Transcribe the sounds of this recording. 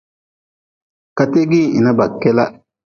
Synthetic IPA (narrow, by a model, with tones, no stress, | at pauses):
ka˨te˦ɡi˦˨ḭ˨na˦ba˨kːɛ˦la˦